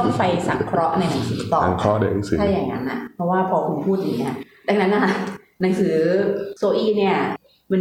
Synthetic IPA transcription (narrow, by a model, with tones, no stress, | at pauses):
npa˧jsa˨˩kʰɾɔ˦˥ʔna˧jna˩˦ŋsɯː˩˦t̪ɔː˨˩˨kʰɾɔ˦ʔna˧jna˨˦ŋsɯː˦t͡ɕʰa˥˩jːaː˨˩ŋːa̰˦˥nʔa̰˨˩pʰɾɔ˦˥waː˥˩pʰɔː˧kʰu˧npʰuː˥˩t̪̚ja˨˩ni˦˥ɐ | da˧ŋna˦˥nʔa˧˩ | na˩˦ŋsɯː˩˦soː˧ʔiː˥˩ni˥˩ɐ | ma˧